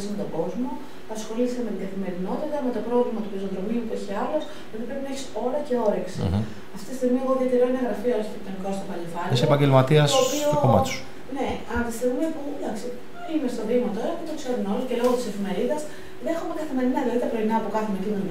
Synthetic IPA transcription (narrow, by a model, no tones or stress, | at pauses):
sme̞t̪oɡo̞zmo̞ | ɐsxo̞list̪eme̞t̪iŋɡɐθime̞ɾino̞t̪it̪ɐme̞t̪o̞pɾo̞vlimɐt̪upizoðɾomiupueçiɐlos | ot̪ipɾe̞pinɐeçi̥so̞ɾɐce̞o̞ɾiksḭ | ɐft̪it̪ist̪iɣmieɣoðiot̪eɾoineɣɾɐfiolçitep̚t̪onikost̪opɐlefɐnesepɐɲɡɟelmɐt̪iɐsoːpiokomɐ̰su | ne̞ | ɐt̪ist̪iɣmipud̪ɐksi | imest̪oðimɐt̪oɐxumet̪okseɾunoce̞lo̞ɣot̪ise̞fime̞ɾiðɐz | ðeexumekɐθime̞ɾinɐilɐðit̪ɐpɾo̞inɐːpokɐθumecinon